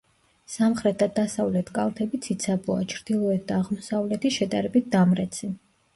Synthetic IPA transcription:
samχɾɛt̪̚d̪ad̪asavlɛt̪ʰkʼalˠt̪ʰɛbit̪sʰit̪sʰabua̰t͡ʃʰɾd̪̥ilˠɔɛt̪̚ʰd̪aːʁmɔsavlɛt̪ʰiʃɛd̪aɾɛbit̪̚d̪amɾɛt̪sʰi

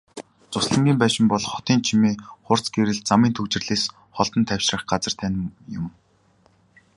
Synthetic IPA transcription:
t͡sʊsɮə̆ŋɡʲiːmpæːʃɪ̆mpɔɮχɔ̥t̪iːnt͡ɕʰimiːχʊr̥t͡sɡeɾɘ̆ɮt͡samiːnt̪ʰɵkt͡ɕɪ̆rɮeːs | χɔɮt̪ɞ̆nt̪ʰæwʃrə̆χɢat͡sə̆r̥t̪ʰæn̆ʲmjʊ̰̆m

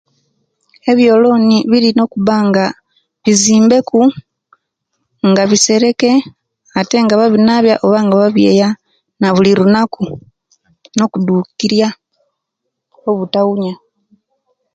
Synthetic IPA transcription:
e̞βjo̞ːlo̞ːniβiɾino̞kuβaŋɡa | βiziːmbe̞ku | ŋɡaβise̞ɾe̞ke̞ | ate̞ŋɡaβaβinaβjaʔoβaŋɡaβaβje̞ːja | naβuliɾunaku | no̞kuduːkiɾja | o̞βutauɲa

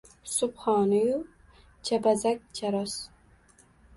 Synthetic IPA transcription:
sʊpχɑːnɪju | t͡ʃʰabazak̚ʲt͡ʃʰaɾɒs

